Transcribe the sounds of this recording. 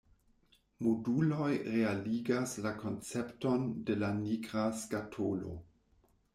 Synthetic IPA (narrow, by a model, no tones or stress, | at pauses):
modulo̞jɾealiɡaslakʰo̞nt͡septo̞ndelaniɡɾaskatʰolo̰